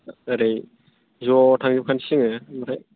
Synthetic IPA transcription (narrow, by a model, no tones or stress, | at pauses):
aɾej | zɔtʰaŋzipkʰansiŋɯmaɾʰaj